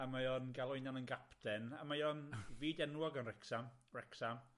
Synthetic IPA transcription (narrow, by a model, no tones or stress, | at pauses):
amajɔnɡalˠʊjnjanənɡapʰdɛnamajɔnviːdɛnwɔɡənrɛksamrɛksam